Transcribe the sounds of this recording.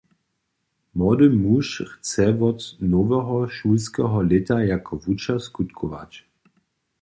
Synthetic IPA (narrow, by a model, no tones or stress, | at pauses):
mɔd̪əmuʃxt͡sɛvɔt̪nɔvɛɦɔʃulskɛɦɔlɪtajakʰɔvut͡ʃaskut̪kʰɔva̰t͡ɕ